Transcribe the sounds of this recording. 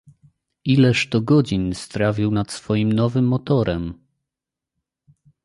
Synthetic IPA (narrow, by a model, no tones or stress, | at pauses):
ilɛʂt̪ɔɡɔd͡ʑinst̪ɾavʲiwnat̪sfɔjimnɔvɘmːɔt̪ɔɾɛm